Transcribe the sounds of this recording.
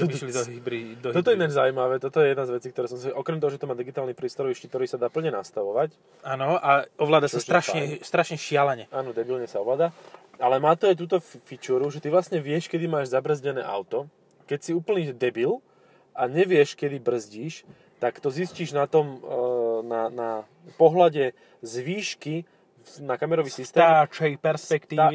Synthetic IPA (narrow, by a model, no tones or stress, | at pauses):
t̪lid̪bɾid̪ɔt̪ɔt̪ɔɛnad͡ʒzaʊuimaʋɛːt̪ɔt̪ɔjɛjɛd̪nazʋɛt͡siːkt̪ɔɾɛːsɔmsʔɔkɾɛmt̪ɔɦɔʒɛt̪ɔmaːd̪iɡit̪aːlnipɾiːst̪ɔɾɔʋiʃcikt̪ɔɾiːsad̪aːpl̩ɲɛnast̪aʋɔʋac | aːnɔaɔʋlaːd̪asasɾaʃɲɛst̪ɾaʃɲɛʃɪalaɲɛʔaːnɔd̪ɛbilɲɛsaɔʋlaːd̪aalɛmaːt̪ɔajt̪uːt̪ɔffit͡ʃuːɾuʒɛt̪iʋlastɲɛʋɪɛʃkɛd̪imaːʒzabr̩zɟɛnɛ̰ːʔa̰ʊt̪ɔ | kɛcsiuːpl̩niːd̪ɛbil | ʔaɲɛʋɪɛʃkɛd̪ibr̩zɟiːʃ | t̪akt̪ɔzisciːʒnat̪ɔm | nana | pɔɦlaɟɛ | zʋiːʃki | nakamɛɾɔʋiːsist̪ɛːat͡ʃɛipɛɾspɛkt̪iː